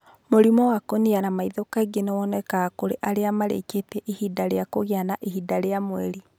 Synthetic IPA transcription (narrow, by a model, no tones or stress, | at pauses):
moɾimɔwakonianamaiðokaɡenɛwɔnɛkaːkoɾeʔaɾeamaɾḛketɛʔihidaɾeakoɣeanaʔiɦidaɾeamwɛɾi